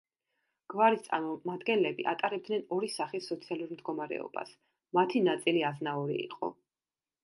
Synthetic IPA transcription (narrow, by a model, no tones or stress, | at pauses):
ɡ̥vaɾist̪sʼa̰ɾmɔmad̪ɡɛnlɛbiʔa̰t̪ʼaɾɛb̚d̪nɛnɔɾisaχisːɔt̪sʰialˠuɾmd̪ɡɔmaɾɛ̰ɔ̰ba̰s | mat̪ʰinat̪sʼiliaznauɾḭːqʼɔ̰